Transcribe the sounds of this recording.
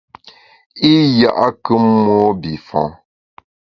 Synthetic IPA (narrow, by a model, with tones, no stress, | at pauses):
i˦ja˨ʔa˦kə˦mwɔ˦bi˨fɔ̰̃˨˦